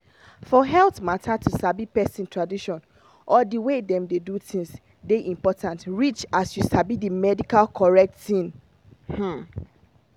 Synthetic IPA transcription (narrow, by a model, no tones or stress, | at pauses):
fɔɦɛltmatʰatʰusabipɛsĩntʰɹadiʃɔ̃n | ʔɔdiwedɛ̃mdedutĩŋs | deʔĩmpɔtʰãntɹit͡ʃasjusabidimɛdikalkʰɔɹɛk̚tĩn | h̩